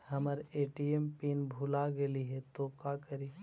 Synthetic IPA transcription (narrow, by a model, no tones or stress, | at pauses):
hɐməɾeːʈiempiːnbʱulaɡeliɦet̪okakəɾi